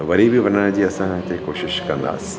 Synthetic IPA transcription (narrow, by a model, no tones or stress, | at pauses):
ʋɐɾibʱiʋɐɾnaːd͡ʒiɐsãkekoːʃɪʃkɐɾə̃nd̪a̰ːs